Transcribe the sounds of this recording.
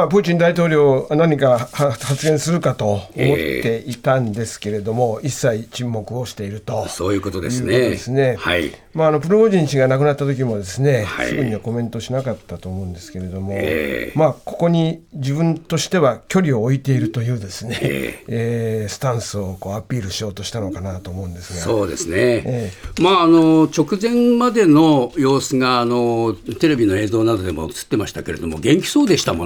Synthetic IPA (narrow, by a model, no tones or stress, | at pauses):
mapɯ̟ːt͡ɕĩnd̪ait̪o̞ːɾʲo̞ːnaɲ̟ikahhat͡sɨɡẽ̞ɰ̃sɨɾɯ̟kat̪o̞omo̞t̪ːe̞it̪ãnd̪e̞sɨ̥ke̞ɾe̞d̪o̞mo̞isːait͡ɕĩmːo̞kɯ̟o̞ɕi̥t̪e̞iɾɯ̟t̪o̞soːjɯːkot̪od̪ejɯɯːnkot̪od̪esɨne̞hai | maːno̞pɯ̟ɾoboʑĩɰ̃ɕiɡanakɯ̟nat̪ːat̪o̞k̬ʲimo̞d̪e̞sɨne̞hasɨɡɯ̟ɲ̟iβako̞mẽ̞nt̪o̞ɕinakat̪ːat̪o̞ːmo̞ɯ̃nd̪e̞sɨ̥ke̞ɾe̞d̪o̞mo̞makoko̞ɲ̟id͡ʑibɯ̟̃nt̪o̞ɕi̥t̪e̞βakʲo̞ɾʲio̞ːit̪e̞iɾɯ̟t̪o̞jɯ̟ːd̪e̞sɨne̞̰eːsɨ̥t̪ãɰ̃sɨo̞ko̞ːapʲiːɾɯ̟ɕio̞ːt̪o̞ɕi̥t̪ano̞kanat̪o̞ːmo̞ɯ̟̃nd̪e̞sɨɡasoːd̪e̞̰sɨneemaːnot͡ɕo̞kɯ̟zẽ̞mmad̪e̞no̞jo̞ːsɨɡaːnot̪e̞ɾe̞bʲinoe̞ːzo̞ːnad̪o̞d̪e̞mo̰ɯt͡sɨ̥t̪ːe̞maɕi̥t̪akeɾe̞̰d̪o̞mo̞ɡẽ̞ŋkʲi̥so̞ːd̪e̞ɕi̥t̪amo